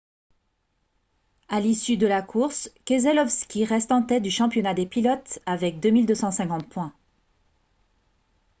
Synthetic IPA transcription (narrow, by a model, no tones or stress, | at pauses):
alisyd̪əlakʰuʁskʲezɛlɔfskʲiʁɛst̪ɑ̃t̪ɛt̪̚d̪yʃɑ̃pjɔnad̪epilɔt̪avɛk̚d̪ømild̪øsɑ̃sɛ̃kɑ̃t̪̚pwɛ̃